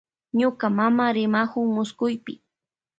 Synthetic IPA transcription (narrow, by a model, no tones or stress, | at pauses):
ɲʊkamamaɾɪmahʊŋmʊskʊjpɪ